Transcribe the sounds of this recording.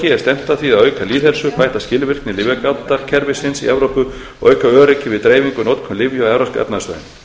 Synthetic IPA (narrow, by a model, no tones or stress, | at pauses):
cɪɛ̥st̪ɛm̥t̪aθviaðœːɥkaliːðɛɾsʏpaːjt̪ascɪlvɪr̥knɪlɪvɛkawt̪ːaɾ̥cʰɛɾvɪsɪnsḭʔɛvɾowpʏ | ɔʔœɥkaœːɾɪcɪvɪðt̪ɾeːjviŋkʏnowt̪kʰʏnlɪvjʏaɛvɾaskɛ̰pnast̪œ̰ːɪn